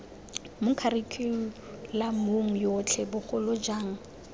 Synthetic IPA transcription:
mʊkʰaɾikʰe | lamoŋ̩jɔt͡ɬʰɛbʊχʊlʊd͡ʒaːŋ̩

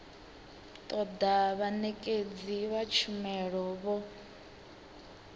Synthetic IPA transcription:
t̪ʼɔd̪aβanɛkʼed͡ziβat͡ʃʰumɛɺɔβɔ

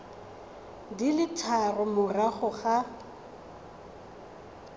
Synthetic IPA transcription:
dilɪtʰarʊmʊraχʊχa

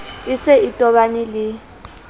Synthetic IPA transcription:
ɪsɛitʼɔɓanilɪ

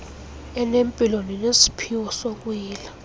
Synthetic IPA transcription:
ɛnempʼiloninesi̥pʰiwɔsok̬ʼwiːla

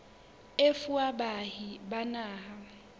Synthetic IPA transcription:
efuaɓahiɓanaːɦa

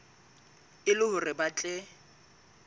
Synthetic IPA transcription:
ɪlʊhʊrɪbat͡ɬʼɛ

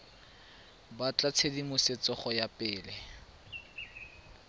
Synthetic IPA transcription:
bat͡ɬat͡sʰedimʊset͡sɔχɔjapʼɪːlɛ

